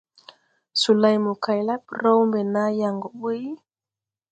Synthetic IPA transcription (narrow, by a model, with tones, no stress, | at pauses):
su˨la˨jmu˨ka˨jla˦ɓɾa˦wmbɛ˨na˦ja˨ŋɡɔ˨ɓu˦j